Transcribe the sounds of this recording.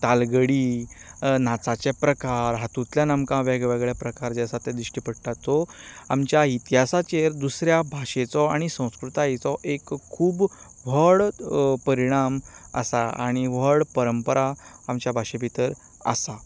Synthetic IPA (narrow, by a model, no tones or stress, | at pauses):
t̪alɡəɽi | nat͡sat͡ɕepɾəkaɾɦat̪ut̪ljanəmkãʋeɡʋeɡɭjapɾəkaɾd͡ʑasat̪ed̪ɾiʂʈipəɽt̪at̪ːɔamt͡ɕjait̪iɦasat͡ɕeɾd̪usɾjabʱaɕet͡sɔaɽ̃isə̃w̃skɾut̪aet͡sɔʔekʰːuːb | ʋ̤əɭpəɾiɽ̃amə̰saa̰ɽ̃iʋ̤əɽpəɾəmpəɾaːmt͡ɕjabʱaɕepit̪əɾ | ə̰sa